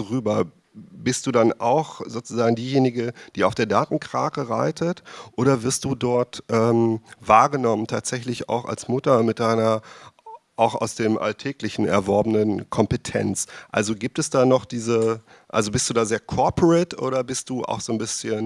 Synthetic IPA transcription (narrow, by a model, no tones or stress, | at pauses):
ʁyːbɐ | bɪst̚d̥uːdanʔa̰ʊxz̥oːt͡suzaːɡŋ̩diːjeːnɪɡəd̥iːaʊfd̥eːɐdaːtn̩kʁ̥aːkəʁaɪtʰətʔoːɾɐvɪɐst̚d̥uːdɔɐtʔɛːmvaːɐɡənɔməntʰaːtz̥ɛçlɪça̰ʊxa̰lsmʊtɐmɪt̚d̥aɪnɐ | ʔaʊxa̰ʊsd̥eːmʔa̰ltʰɛːklɪçn̩ɛ̰ɐvɔɐbənənkʰɔmpətʰɛ̰nt͡sʔa̰lzoɡiːp̚tɛsd̥aːnɔχd̥iːzə | ʔa̰lzobɪstd̥uːdaːzeːɐkʰɔɐpʰəʁɛtʔo̰ːɾɐbɪst̚d̥uːʔa̰ʊxz̥oːnbɪsçən